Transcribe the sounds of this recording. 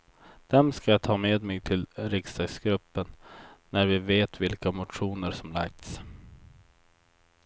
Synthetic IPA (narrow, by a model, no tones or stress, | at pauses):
d̪̥ɛmskajat̪ʰɑːmeːd̪mɛɡt̪ʰɪlɾɪkst̪ɑɡsɡɾɵpːənːæɾvɪveːt̪vɪlkamʊt̪ɧuːnəɾsɔmla̰k̚t̪s